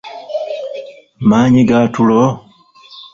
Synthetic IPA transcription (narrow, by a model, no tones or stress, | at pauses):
maːɲiɡaːtulo